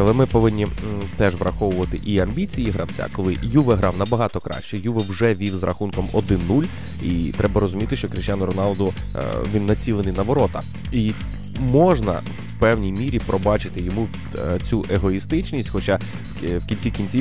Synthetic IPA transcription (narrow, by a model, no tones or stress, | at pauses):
ɐlˠɛmɪpɔʋɪnʲːit̪ɛʒʋrʔɐxɔʋʊʋɐt̪ɪʔiɐmʲbʲit͡sʲijiɦɾɐwt͡sʲa̰kɔlˠɪjuʋɛɦɾɑwnɐbɐɦɑt̪ɔkɾɑ̰ʃt͡ʃɛjuʋɛwʒɛʋʲiwzrɐxunkɔmɔd̪ɪnːulʲ | it̪ɾɛbɐɾɔzʊmʲit̪ɪʃt͡ʃɔkɾɪʃt͡ʃʲjanʊɾɔnɑlˠd̪ʊ̰ʋʲinːɐt͡sʲilˠenɪjnɐʋɔɾɔt̪ɐ̰ | i | mɔʒnɐ̰w | pɛwnʲijmʲiɾʲipɾɔbɑt͡ʃɪt̪ɪjɔmuʋʲ | t͡sʲuʔeɦɔist̪ɪt͡ʃnʲisʲtʲxɔt͡ʃɑ | wkʲinʲt͡sʲikʲinʲt͡sʲi